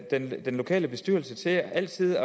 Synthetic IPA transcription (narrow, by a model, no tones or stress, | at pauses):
d̥end̥enlo̝kʰɛ̰ːləb̥e̝sd̥yɐ̰l̩sət͡sʰe̝æl̰t͡sʰið̞̰ˠɒ